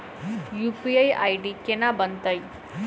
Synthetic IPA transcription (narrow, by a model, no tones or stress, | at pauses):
jupiaja̰jɖikenabənt̪əj